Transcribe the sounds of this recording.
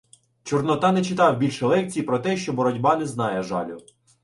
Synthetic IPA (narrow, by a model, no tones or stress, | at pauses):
t͡ʃɔrnɔt̪ɑnɛt͡ʃɪt̪ɑwbʲilʲʃɛlˠɛk̚t͡sʲijipɾɔt̪ɛʃt͡ʃɔbɔɾɔdʲbɑnɛznɑjɛʒɑ̰lʲʊ